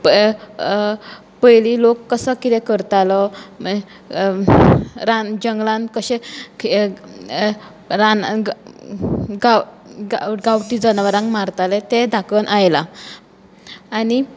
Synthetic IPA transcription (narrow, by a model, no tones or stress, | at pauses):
p | pəjlilokːəsəkit̪ɛ̃kəɾt̪alɔ | ɾad͡ʑəŋɡlãnkəɕẽk | ɾan | ɡa | ɡawʈid͡zənʋəɾãŋɡmaɾt̪alet̪ed̪ʱakənʔajla | ani